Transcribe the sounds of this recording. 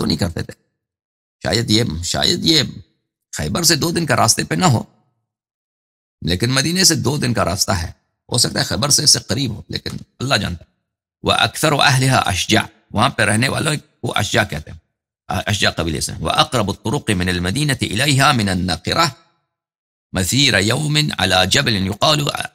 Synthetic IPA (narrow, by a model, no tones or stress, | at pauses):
t̪o̰nɐĩkɐɾt̪ḛt̪e̥ | ʃa̰ːjəd̪jeʃa̰ːjəd̪je | xɛ̰ːbəɾs̬ed̪oːd̪ɪnkaɾʔaːst̪epenɐɦo̰ː | leːkɪnmɐd̪iːnesed̪oːd̪ɪnkaɾa̰ːst̪aɦɛ̰ː | ɦo̰ːsɐk̚t̪aːɦɛxɛːbəɾseseqɐɾiːbɦoːlḛːkɪnɐlːad͡ʒa̰ːnt̪a | wɪ̰ʔa̰kθɑɾˤʔaɦlɪɦa̰ʔa̰ʃd͡ʒa̰ːʔ | whampeɾehnewa̰lːo | uʔa̰ʃd͡ʒa̰ːʔka̰ːt̪ɪb | ʔaʃd͡ʒaːʔqɑbiːlʔɪ̰sa̰wɪ̰ʔɑqɾˤɑbat̪ˤːʊɾʊqmɪnalmad̪iːnat̪ʔɪ̰lajɦamɪnanːɑːqɨɾˤa | maθiːɾajawmɪnʕa̰lad͡ʒabalɪnjʊqɑːlu